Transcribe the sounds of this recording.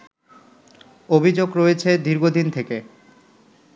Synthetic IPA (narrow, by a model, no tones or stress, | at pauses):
obʱid͡ʑoɡɾoet͡ɕʰed̪ʱiɾɡʱod̪int̪ʰeke